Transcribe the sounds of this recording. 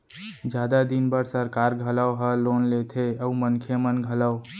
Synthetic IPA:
d͡ʒjad̪ad̪inbəɾsəɾkaɾɡʱələwɦəlonlet̪ʰeəumənkʰjemənɡʱələw

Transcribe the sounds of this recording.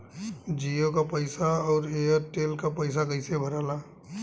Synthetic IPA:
d͡ʒiokapəɪsaɔːɾeəɾʈeːlkapəɪs̬akəɪsebʱəɾaːla

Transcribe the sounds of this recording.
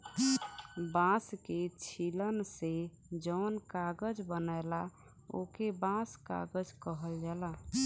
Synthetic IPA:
bãsket͡ʃʰilənse | d͡ʒənkaɡəd͡ʒbənajla | o̰kebãska̰ɡəd͡ʒkəɦəld͡ʒala

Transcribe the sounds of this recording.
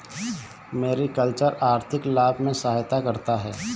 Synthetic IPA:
meːɾikəlt͡ʃəɾaːɾt̪ʰɪklaːbʱmẽsəɦaːjt̪akɐɾt̪aɦɛː

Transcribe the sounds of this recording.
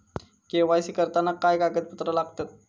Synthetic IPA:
keʋajsiːkəɾt̪anakajkaɡət͡s̪̚pət̪ɾəlaɡt̪at̪̚

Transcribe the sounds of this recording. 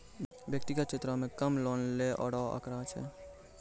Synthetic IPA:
bjək̚t̪iɡət͡ʃʰet̪ɾəmekəmlonleʔɔ̰ɽɔə̰kɾat͡ʃʰɛ̰

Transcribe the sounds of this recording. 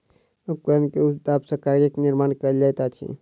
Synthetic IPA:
əkənkeud̪apsəkaɾɡekniɾmaːnkəd͡ʒajt̪at͡ʃʰḭ

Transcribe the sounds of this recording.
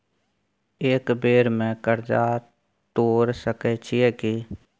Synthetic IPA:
eːkbeːɾmẽkəɾd͡ʒaː | t̪oːɾsəkɛt͡ʃʰɪjɛːki

